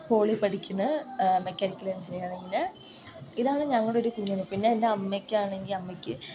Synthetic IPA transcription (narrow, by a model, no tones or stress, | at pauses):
po̞ːɭipːɐʈikʲːunːɨmekʲːɐɾikʲːulɐnsejaneŋɡilɨ | iðaːɳɨɲɐŋːɐɭɽeoɾukuɲːɐnːɨpinːe̞ːndeɐmːekʲːaːɳe̞ŋɡilɐmːɐkʲːɨ